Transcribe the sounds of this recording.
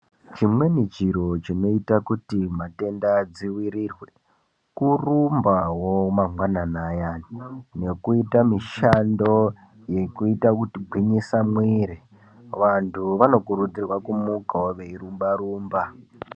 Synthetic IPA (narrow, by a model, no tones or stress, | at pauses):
t͡ʃimwe̞nit͡ʃiɾo̞t͡ʃino̞itakutimate̞ndad͡ziwiɾirwe̞ | kurumbawomaŋɡwananajanine̞kuitamiʃando̞ | je̞kuitakutiɡʱwiɲisamwiɾi | ʋantʰuʋano̞kuɾud͡zirwakumukawoʋeirumbaɾuːmba